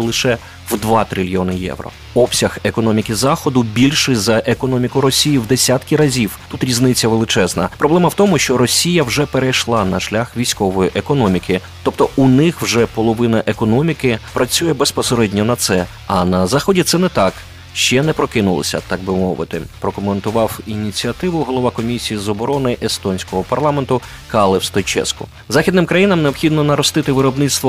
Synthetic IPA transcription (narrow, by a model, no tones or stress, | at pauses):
lˠɪʃɛ | wd̪ʋɑt̪ɾʲɪlʲjiɔnɪjɛ̰wɾɔ̰ | ɔpsʲɐxekɔnɔmʲikʲɪzɑxɔd̪ʊbʲilʲʃɪzɐʔekɔnɔmʲikʊɾɔsʲijiwd̪esʲat̪kʲiɾɐzʲiwt̪ut̪ɾʲiznɪt͡sʲːɐʋelˠɪt͡ʃɛznɐpɾɔblˠɛmɐwt̪ɔmʊʃt͡ʃɔɾɔsʲijɐwʒɛpeɾejʃlˠɑnɐʃlʲaxʋʲijsʲkɔʋɔjiʔekɔnɔmʲikɪ | t̪ɔpt̪ɔunɪxwʒɛpɔlˠɔʋɪnɐʔekɔnɔmʲikɪpɾɐt͡sʲujɛbespɔseɾɛdʲnʲɔnɐt̪sɛ | ɐnɐzɑxɔdʲit̪sɛnɛt̪ɑk | ʃt͡ʃɛnɛpɾɔkɪnʊlˠɔ̰sʲɐ̰t̪ɑɡ̚bɪmɔʋɪ̰t̪ɪ̰pɾɔkɔment̪ʊʋɑwinʲit͡sʲiɐt̪ɪʋʊɦɔlˠɔʋɑkɔmʲisʲijizɔbɔɾɔnɪʔest̪ɔnʲsʲkɔɦɔpɐrlˠɑment̪ʊ | kɑlˠɪwst̪ɔjt͡ʃɛ̰skʊ̰ | zɑxʲid̪nɪmkɾɐjinɐmneɔpxʲid̪nɔnɐɾɔst̪ɪt̪ɪʋɪɾɔbnɪt̪st̪ʋɔ